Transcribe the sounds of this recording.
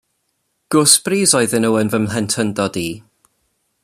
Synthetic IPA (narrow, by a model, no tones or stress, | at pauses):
ɡ̥ʊsb̥riːzɔɨðɪnəwənvəmlɛntʰəndɔdi